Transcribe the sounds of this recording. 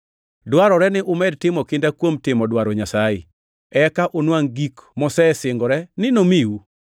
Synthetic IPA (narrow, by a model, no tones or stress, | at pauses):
dwaɾɔɾɛnɪʔʊmɛd̚tɪmɔkɪndakwomtɪmɔdwaɾɔɲasaɪ | ɛkaʔonwaŋɡikmɔsɛsɪŋɡɔɾɛnɪnomiu